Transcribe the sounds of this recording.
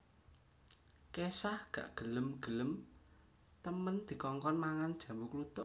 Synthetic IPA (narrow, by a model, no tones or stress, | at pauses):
kesahɡ̥ä̰ʔɡ̥ə̤ləmɡ̥ə̤ləm | t̪əmənd̪̥i̤kɔŋkɔnmaŋand̥ʒ̥ä̤wuklut̪ʊʔ